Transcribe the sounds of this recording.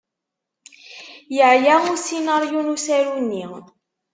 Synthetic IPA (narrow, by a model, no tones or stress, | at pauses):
jəʕjausinaɾjunusæɾunːi